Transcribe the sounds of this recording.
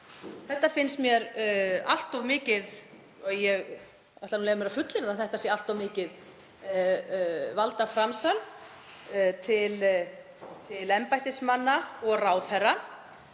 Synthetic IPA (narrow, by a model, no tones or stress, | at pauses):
θɛht̪ːafɪnsmjɛɾa̰l̥t̪ɔvmɪːcɪð | ɔjɛɣ | ɛt̪lanunejvʏmɛɾafʏt̪lɪnaθɛht̪asjɛalt̪awmɪːcɪð | valt̪afɾamsan | t̪ʰɪl | t̪ʰɪlɛmpajht̪ɪsmanːaɔɣraːwθɛrːa